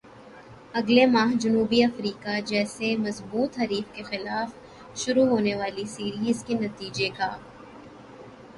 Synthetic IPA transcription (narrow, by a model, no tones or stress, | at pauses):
ɐɡlemaːɦd͡ʒɐnuːbiɐfɾiːkad͡ʒɛːsemɐzbuːt̪ɦɐɾiːfkexɪlaːf | ʃʊɾuɦoːneʋaːlisiːɾiːzkenɐt̪iːd͡ʒekaː